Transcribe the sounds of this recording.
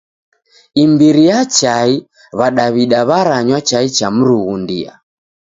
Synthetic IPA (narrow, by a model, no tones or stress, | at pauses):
imbiɾijat͡ʃai | βaɗaβiɗaβaɾaɲwat͡ʃait͡ʃam̩ɾuɣundḭa̰